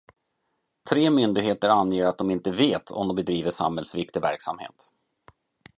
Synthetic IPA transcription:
t̪ʰɾeːmʏnd̪ɪɡɦeːt̪əɾanjeːɾat̪̚d̪ɔmɪnt̪əveːt̪ʰɔ̰md̪ɔmbɛd̪ɾiːvəʂa̰mhɛlsvɪk̚t̪ɪvæ̰ɾksa̰mhḛːt̪

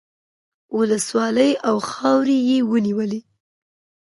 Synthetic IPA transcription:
wələswɑləjawxɑwɾijewəniwəle

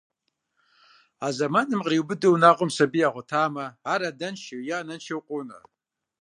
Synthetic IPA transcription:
azamanɨmqʼriwbɨdɨwnaqʼʊmsabiaʁʷʊtʰaːmaːɾadanʃawjanant͡ʃʰawqʷʼona̰

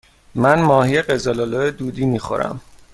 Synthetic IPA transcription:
mænmɒːhijeɢezɒlolojed̪uːd̪iːmiːxo̰ɾæ̰m

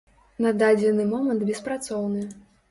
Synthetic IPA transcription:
nad̪ad͡zʲɛnɨmɔmɐnd̪bʲɛspɾat̪sɔwnɨ

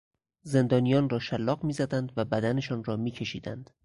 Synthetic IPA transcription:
ze̞nd̪ɒːnijɒːnrɒːʃælːɒːɢmiːzæd̪ænd̪væbæd̪æne̞ʃɒːnrɒːmiːcʰe̞ʃḭːd̪ænd̪̥

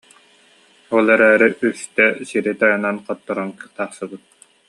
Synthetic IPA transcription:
ulˠɛɾɛːɾiʔyst̪ɛsiɾit̪ajananqɔt̪ːɔɾɔnkɯ̥t̪aːχsɯbɯt̪̚

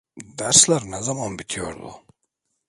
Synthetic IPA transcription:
d̪æɾslæɾnɛzamanbit̪ʰijo̰ɾd̪ṵ

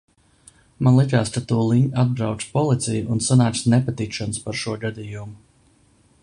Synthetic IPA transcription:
manlˠikʲaːst̪at̪uːlˠiɲʔad̪̚bɾawt̪spɔlˠit̪sʲijuʔunsanaːk̪snɛpat̪ikʃanʊspaɾʃuɔɡad̪ijumu

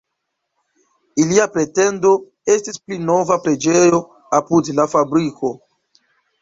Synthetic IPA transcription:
iliapɾe̞te̞ndo̞ | e̞stisplino̞vapɾe̞d͡ʒejo̞ | apudlafabɾikʰo̞

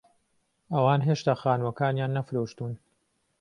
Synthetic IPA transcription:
ʔɐwaːnɦeːʃt̪aːxaːnwɐkaːnjaːnːɐfɾoːʃt̪uːn

